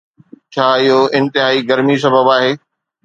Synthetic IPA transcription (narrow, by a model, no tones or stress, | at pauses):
t͡ɕʰaːɪɦoɪ̃nt̪ɪɦaːiɡɐɾmis̬ɐbəbaːɦeː